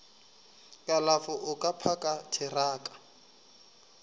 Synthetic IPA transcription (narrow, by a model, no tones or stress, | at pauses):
kʼalafʊʔʊkʼapʰakʼatʰɪraːkʼḁ